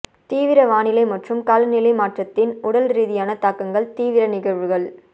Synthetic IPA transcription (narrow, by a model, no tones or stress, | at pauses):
t̪iːʋɪɾɐʋaːnɪlɐɪmɐʈrɯmkalɐnɪlɐɪmaːʈrɐt̪ːɪnʊɽɐlɾiːðɪjaːnɐt̪aːkːɐŋɡɐɭt̪iːʋɪɾɐnɪɣɐɾʋɯɣɐɭ